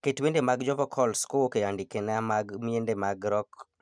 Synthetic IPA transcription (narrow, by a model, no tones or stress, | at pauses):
ketwendemaɡd͡ʒɔvɔkʰɔlskowokeandikenamaɡmiendemaɡɾɔk